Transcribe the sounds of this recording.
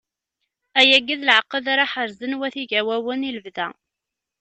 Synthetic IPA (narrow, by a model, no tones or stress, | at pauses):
æjæɡːiðlʕəqːəðaɾˤaħəɾzənwæθiʝæwæwəniləvðæ̰